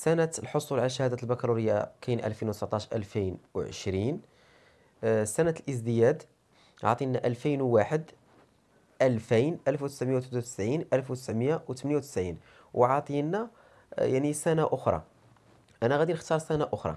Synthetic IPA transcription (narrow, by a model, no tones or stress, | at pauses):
sænæt̪əlħosˤulʕalæʃ̬ːæhæd̪æt̪əlbækɑɾˤuɾəjːa̰kæjnʔæ̰lfinwt̪sbt̪ˤːɑʃʔə̰lfijnwʕə̰ʃɾin | sænæt̪lʔəzd̪əjæd̪ | ʕɑ̰t̪ˤinæʔəlfijnwːaħəd̪ | ʔəlfijnʔælfwt̪ə̥sʕməjawt̪ħt̪uwt̪ə̥sʕinʔælfwt̪ə̥sʕməjawt̪mənjawt̪ə̥sʕin | wʔʕɑt̪ˤinæ | jaʕnisænaʔʊxɾˤɑ̰ | ʔænæɣæd̪inəxt̪ɑɾˤsænaʔʊxɾˤɑ̰